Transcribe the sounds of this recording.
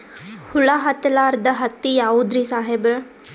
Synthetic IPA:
huɭaɦɐt̪ɐlaːɾd̪ɐɦɐt̪ːijaːʋud̪ɾisaːɦebɾɐ

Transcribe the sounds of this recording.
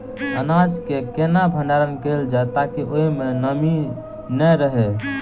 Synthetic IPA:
ənad͡ʒkekenabʱənɖaɾənkeld͡ʒaet̪akiʔoimenəmi | nɛɾəɦe

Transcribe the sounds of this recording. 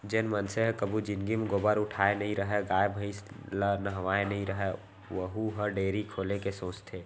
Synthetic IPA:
d͡ʒenmənseɦkəbʱud͡ʒɪnɡimeɡoːbəɾʊʈʰaːenəɦĩɾəɦɛɡaːjebʱəɪslənəɦʋaːenəɦĩɾəɦɛ | ʋəɦuɦəɖeːɾikʰolekesõːt͡ʃt̪ʰe

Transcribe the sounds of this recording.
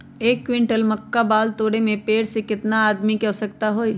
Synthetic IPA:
eːkːwɪ̃ɳʈəlmɐkːabaːlt̪oːɽemẽpeːɽsekɪt̪naaːd̪mikɛɦsɐkt̪aɦoːi

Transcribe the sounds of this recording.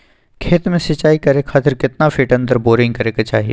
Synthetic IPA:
kʰeːt̪mẽsɪt͡ʃaːikɐɾekʰaːt̪ɪɾkɪt̪nafʰɪʈɐ̃nd̪əɾboːɾɪ̃ŋɡkɐɾeket͡ʃa̰ːɦiḛ

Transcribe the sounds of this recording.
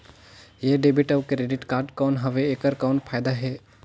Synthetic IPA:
jeːɖeːbɪʈəʋkeɾeɖɪʈkaːɾɖkɔːnɦɐʋeeːkəɾkɔːnpʰaːjd̪aɦɛː

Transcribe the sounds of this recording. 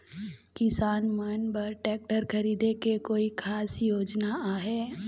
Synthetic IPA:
kɪsaːnmɐnbɐɾʈɛːk̚ʈəɾkʰɐɾiːd̪ekekoːikʰaːsjoːd͡ʒnaaːɦɛː

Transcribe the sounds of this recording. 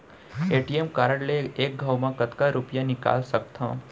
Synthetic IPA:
eʈiemkaɾəɽleek̚ɡʱəwmãkət̪kaɾupjanika̰lʃək̚t̪ʰə̰̃

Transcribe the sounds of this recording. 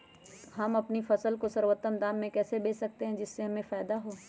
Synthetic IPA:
ɦɐmɐpnifɐsəlkosɐɾwət̪ːəmd̪aːmːẽkɛːsebeːsɐk̚t̪eɦɛ̃d͡ʒɪsːeɦɐmẽfaːd̪aɦoː

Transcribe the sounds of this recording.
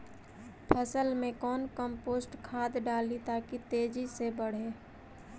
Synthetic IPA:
pʰəsəlmẽkɔːnkəmpoːsʈkʰaːd̪ɖaːlit̪aːkit̪eːd͡ʒisebəɽ̤eː

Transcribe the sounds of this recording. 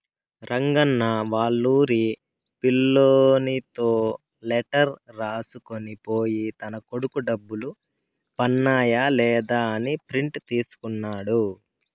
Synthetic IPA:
ɾɐŋɡɐnːɐʋaːɭːuːɾi | pilːoːnit̪o̞ː | lɛʈɐɾɾaːsuko̞nipo̞ːjit̪ɐnɐko̞ɽukuɖɐbːulu | pɐnːaːjaːlɛːd̪aːɐnipɾiɳʈt̪iːsu̥kunːaːɽu

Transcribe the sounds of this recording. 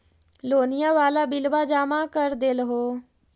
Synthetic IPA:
loːnɪjãːʋaːlaːbɪlʋaːd͡ʒaːmãːkəɾd̪ɪlɦoː

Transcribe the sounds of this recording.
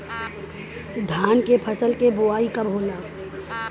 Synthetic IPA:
d̪ʱaːnkepʰəsəlkeboaːikɐbʱɦoːlaː

